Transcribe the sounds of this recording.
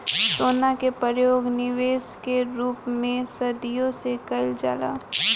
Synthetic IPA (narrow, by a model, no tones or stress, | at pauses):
soːnakepəɾjoːɡnɪʋeːskeɾuːpmẽsɐd̪ijõsekɐɪld͡ʒa̰ːla̰ː